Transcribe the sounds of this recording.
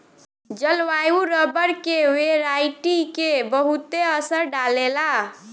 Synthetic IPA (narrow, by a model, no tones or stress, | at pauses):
d͡ʒəlʋajuɾəbəɾkeʋeɾaiʈikebəɦut̪eəsəɾɖalela